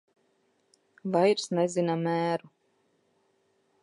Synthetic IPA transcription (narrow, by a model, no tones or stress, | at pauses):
vajɾsnɛzinamæːɾu